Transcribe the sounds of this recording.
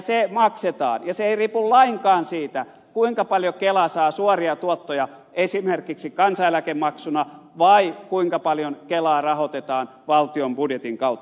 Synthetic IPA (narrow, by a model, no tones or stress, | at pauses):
semɑkset̪ɑ̰ːnjɑseeiriːpullɑiŋkɑːnsiːt̪æ | kuiŋkɑpɑljokelɑsɑːsuɔriɑt̪uot̪ːojɑ | esimerkiksikɑnsɑelækemɑksunɑʋɑikuiŋkɑpɑljonkelɑːrɑhot̪et̪ɑːn | ʋɑlt̪iombudjet̪iŋkɑut̪ːɑ̥